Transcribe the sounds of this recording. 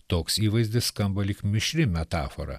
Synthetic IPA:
t̪oːksiːʋɐɪzʲd̪ʲɪsskɐmbɐlʲɪkmʲɪʃʲɾʲɪmʲɛt̪ɑːfoɾɐ̰

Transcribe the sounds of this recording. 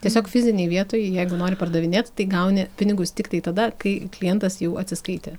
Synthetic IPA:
t̪ʲiɛsʲoːkfʲɪzʲɪnʲɛɪʋʲiɛt̪oːjɛɪjæɪɡʊnoːɾʲɪpɐrd̪ɐʋʲɪnʲeːt̪ʲt̪ɐɪɡɐʊnʲɪpʲɪnʲɪɡʊst̪ʲɪkt̪ɐɪt̪ɐd̪ɐkɐɪklʲɪjɛnt̪ɐsjɛʊɐt̪ʲsʲɪskɐɪt̪ʲe

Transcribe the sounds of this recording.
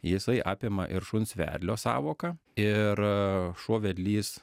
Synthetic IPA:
jɪsɐɪʔɑːpʲɪmɐʔɪɾʃʊnsʲʋʲæ̰ːɾʲlʲoːsɑ̰ːʋoːkɐɪɾʃuɔʋʲɛd̪ʲlʲiːs

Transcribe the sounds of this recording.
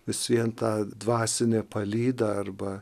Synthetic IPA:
ʋʲɪsʋʲiɛnt̪ɑːd̪ʋɑːsʲɪnʲeːpɐlʲiːd̪ɐɐrbɐ

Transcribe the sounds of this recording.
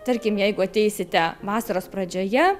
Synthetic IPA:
t̪ɐɾʲkʲɪmjɛɪɡʊɐt̪ʲɛɪsʲɪt̪ʲɛʋɑːsɐɾoːspɾɐd͡ʒʲoːjɛ

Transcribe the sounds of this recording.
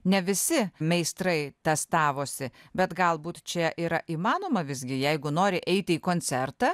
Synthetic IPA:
nʲɛʋʲɪsʲɪmʲɛɪst̪ɾɐɪt̪ʲɛst̪ɑːʋoːsʲɪbʲɛt̪ɡɐlˠbuːt̪t͡ʃʲɛʔiːɾɐ̰ʔiːmɑːnoːmɐʋʲɪzʲɡʲɪjɛɪɡʊnoːɾʲɪʔɛɪt̪ʲɪiːkoːnʲsʲɛrt̪ɑ

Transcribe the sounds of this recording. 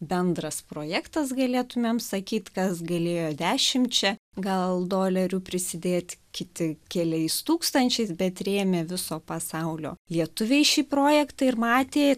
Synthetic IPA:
bʲɛnd̪ɾɐspɾoːjæːkt̪ɐsɡɐlʲeːt̪ʊmʲeːmsɐkʲiːt̪kɐsɡɐlʲeːjoːd̪ʲæːʃʲɪmʲt͡ʃʲɛɡɐlˠd̪oːlʲɛɾʲuːpʲɾʲɪsʲɪd̪ʲeːt̪ʲkʲɪt̪ʲɪkʲɛlʲɛɪst̪uːkst̪ɐnʲt͡ʃʲɛɪsbʲɛt̪ɾʲeːmʲeʋʲɪsoːpɐsɐʊlʲo̰ːlʲiɛt̪ʊʋʲɛɪʃʲiːpɾoːjɛkt̪ɐɪɾmɑːt̪ʲeː

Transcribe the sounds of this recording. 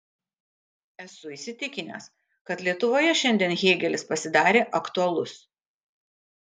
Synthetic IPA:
ɛsʊiːsʲɪt̪ʲɪkʲɪnʲḛːs | kɐt̪lʲiɛt̪ʊʋoːjɛʃʲɛnʲd̪ʲiɛnɣʲeːɡʲɛlʲɪspɐsʲɪd̪ɑːɾʲeːʔɐkt̪ʊɐlˠʊs

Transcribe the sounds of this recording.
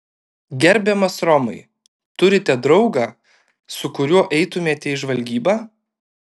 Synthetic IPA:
ɡʲɛɾʲbʲɛmɐsɾɔmɐ̰ɪ | t̪ʊɾʲɪt̪ʲɛd̪ɾɒʊɡɑː | sʊkʊɾʲuɔʔɛɪt̪ʊmʲeːt̪ʲɛɪʒʋɐlʲɡʲiːbaː

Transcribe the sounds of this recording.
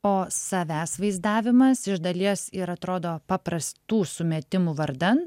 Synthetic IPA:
oːsɐʋʲæːsʋɐɪzd̪ɑːʋʲɪmɐsɪʒd̪ɐlʲiɛsɪɾɐt̪ɾoːd̪oːpɑːpɾɐst̪uːsʊmʲɛt̪ʲɪmuːʋɐɾd̪ɐnt̪

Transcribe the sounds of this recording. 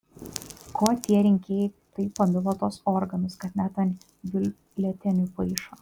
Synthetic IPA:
kʰoːt̪ʲiɛɾʲɪŋʲkʲeːjɛɪt̪ɐɪpːɐmʲʊlˠoːt̪oːsɔɾɡɐnʊskɐt̪ʲnʲæt̪ɐnʲ | ʋʲɪlʲ | lʲɛt̪ʲɛnʲʊpɐɪʃoː

